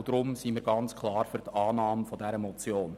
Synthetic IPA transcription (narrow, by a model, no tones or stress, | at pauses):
d̥ɾʊmsiːmiːɾɡɑnt͡skʰlɑːɾfyɾtɑːnɑːmfɔdɛɾəmɔt͡sjoːn